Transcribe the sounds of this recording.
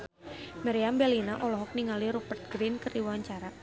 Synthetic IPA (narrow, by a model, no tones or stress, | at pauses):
maɾiambɛlinaʔɔlɔɦɔk̚niŋaliɾupərt̪̚ɡɾinkərdiwaɲt͡ʃaɾa